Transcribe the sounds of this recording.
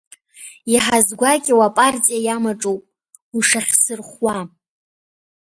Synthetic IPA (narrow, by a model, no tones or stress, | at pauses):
jaħazɡʷakʲʼiwapʼart͡sʼijajamaʈ͡ʂʼowpʼ | uʂaχʲsɨrχwa